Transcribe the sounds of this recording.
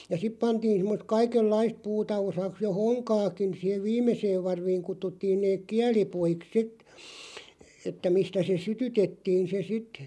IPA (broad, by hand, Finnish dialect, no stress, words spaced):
jɑ sip pɑntiːn sĭmːost kɑikelːɑist puːtɑ osɑks jo hoŋkɑːkin siːheʋ ʋiːmeseːʋ ʋɑrʋiːŋ kutːutːiːn neːk̆ kiælipuiks sit etːæ mistæ se sytytetːiːn se sit